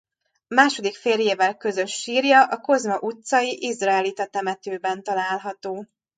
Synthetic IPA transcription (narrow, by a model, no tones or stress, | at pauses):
maːʃo̞d̪ikfeːrjeːvɛlkø̞zø̞ʃːiːrjɒʔɒko̞zmɒʔut̪sɒjiʔizraɛlit̪ɒt̪ɛmɛt̪øːbɛnt̪ɒlaːlɦɒt̪oː